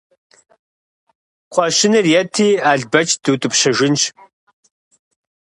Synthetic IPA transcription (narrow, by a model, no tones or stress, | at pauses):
qʷʰɑɕɪnɨrjɛtʰiːaːɮbɐt͡ʃʼd̥uːtʼɨpɕɐʒʷɪnt͡ʃ